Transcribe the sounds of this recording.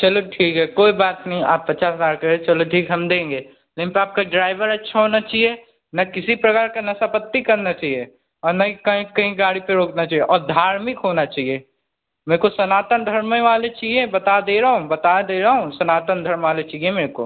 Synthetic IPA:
t͡ʃɐloʈʰiːkɦɛkoːibaːt̪nɐɦĩa̰ːpːɐtːt͡ʃaːsɦəzaːɾkɐɦt͡ʃɐloʈʰiːkɦɐmd̪ẽːŋɡeː | leɪnpeaːp̚kaɖɾaːɪʋəɾɐtːʃʰaɦoːnat͡ʃaːɦie | nɐkɪsipɾɐkaːɾkanɐsəpət̪ːikɐɾnat͡ʃaːɦie | ɔːɾnɐɦĩkɐɦĩkɐɦĩɡaːɽipeɾoːknat͡ʃaːɦieʔɔːɾd̪ʱaːɾmɪkɦoːnat͡ʃaːɦie | meːɾkosɐnaːt̪ənd̪ʱɐɾmẽʋaːlet͡ʃaːɦiebɐt̪ad̪eːɾɐɦũbɐt̪ad̪eːɾɐɦũsɐnaːt̪ənd̪ʱɐɾmʋaːlet͡ʃaːɦiemeːɾko̰

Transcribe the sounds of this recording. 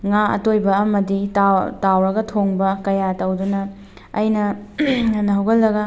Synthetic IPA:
ŋaɐ̰tojbɐɐmɐditatawɾɐɡɐtʰoŋbɐkɐjatɐwdunɐ | ɐjnɐɐnɐɦɐwɡɐlːɐɡɐ

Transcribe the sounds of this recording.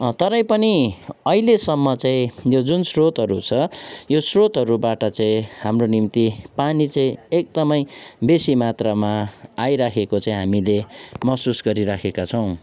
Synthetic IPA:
t̪ʌɾʌ̃j̃pʌniʌɦilesʌmːʌt͡saĩjod͡zunsrot̪ɦʌɾut͡sʰʌjosrot̪ɦʌɾubaʈʌt͡saĩhamronimt̪ipanit͡saĩek̚d̪ʌmʌjbesimat̪rʌmaajɾakʰekot͡saĩɦamilemʌsusɡʌɾiɾakʰekat͡sʰʌw̃

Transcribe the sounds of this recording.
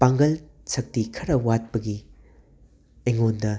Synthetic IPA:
paŋɡɐl | sɐk̚tikʰɐɾɐwat̚pɐɡi | eŋondɐ

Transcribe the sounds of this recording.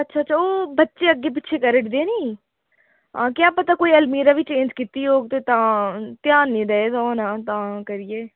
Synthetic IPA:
ətːʃʰaːtːʃʰaːoːbətːʃeːəɡːeːp̬ɪtːʃʰeːkəɾəʈd̪eːniː | ɦãːkjaːpət̪aːkoːiːəlmiːɾaːʋiːt͡ʃẽːnd͡ʒkit̪iːɦoːɡt̪eːt̪ãːt̪jaːnːĩːd̪ɛːeːd̪oːnãːt̪ãːkəɾijeː

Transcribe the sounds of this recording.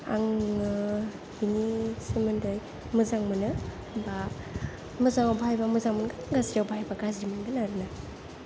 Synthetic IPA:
a̰ŋɯ | binisɯmɯndɯj | muzaŋmɯnɯ | ba | muzaŋawbaajbamuzaŋmɯnɡɯnɡazɾiawbaajbaɡazdimɯnɡɯnaɾɯna

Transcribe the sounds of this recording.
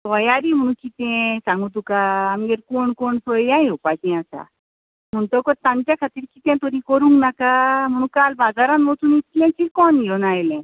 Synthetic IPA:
t̪ɔjaɾim̤əɽ̃ũkit̪ɛ̃sãŋɡũt̪̬ukaːmɡeɾkoɳkoɳsojjãjopakɛ̃asa̰ | m̤əɳt̪ɔkɔt̪ãnt͡ɕjakʰat̪iːɾkit̪ɛ̃t̪ɔɾĩkɔɾũŋɡnakam̤əɽ̃ũkalbad͡zaɾanmɔt̪unit̪lɛ̃t͡ɕilkɔnijɔnajlɛ̃

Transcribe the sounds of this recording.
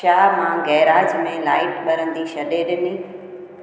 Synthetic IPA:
aːmãɡɛːɾaːd͡ʑmẽlaːɪʈɓɐɾə̃nd̪iʃɐɗeɗɪniː

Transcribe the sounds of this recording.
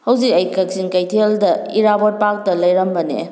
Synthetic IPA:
hɐwzik̚ɐjkʰɐk̚sinkɐjtʰeldɐ | iɾabot̚pak̚tɐlɐjɾɐmbɐnḛ

